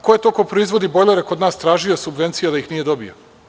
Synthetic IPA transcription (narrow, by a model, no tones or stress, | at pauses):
kojet̪o̞ːko̞pɾoizʋo̞d̪ibojlˠeɾeko̞d̪naːst̪ɾaːʒio̞subʋe̞nt̪sijad̪aixnije̞d̪o̞bḭo̰